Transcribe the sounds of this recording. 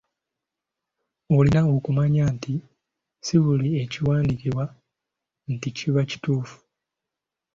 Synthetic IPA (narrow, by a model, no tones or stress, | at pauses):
o̞linao̞kumaɲaːnti | siβulie̞ciwaːndikiβwa | n̩ticʰiβaci̥tuːfu̥